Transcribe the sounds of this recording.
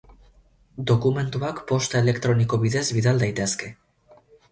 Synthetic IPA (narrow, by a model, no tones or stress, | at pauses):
d̪o̞kume̞nt̪uakpo̞st̪ae̞le̞kt̪ɾo̞niko̞βiðe̞zβiðald̪ajt̪e̞ske̞